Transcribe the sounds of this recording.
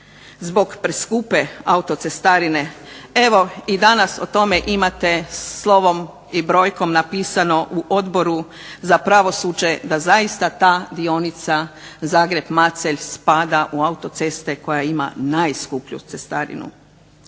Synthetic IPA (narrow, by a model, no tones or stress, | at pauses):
zbo̞ɡpɾeskuːpe̞aut̪o̞t̪se̞st̪aɾine̞ | e̞ʋo̞id̪anasot̪o̞me̞ʔimat̪e̞lˠo̞ʋo̞m | ibɾo̞ːjko̞mnapiːsano̞ʔuʔo̞d̪bo̞ɾu | zapɾaʋo̞suːd͡ʑe̞d̪azaist̪at̪aːd̪io̞nit̪sazaːɡɾe̞bmat̪seʎspad̪aʔuaut̪o̞t̪se̞st̪e̞ko̞jaima̰najskupʎṵt̪sest̪aɾḭnṵ